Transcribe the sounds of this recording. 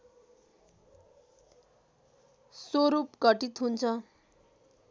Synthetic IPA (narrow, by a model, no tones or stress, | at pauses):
soɾupkʌʈit̪ɦunt͡sʰʌ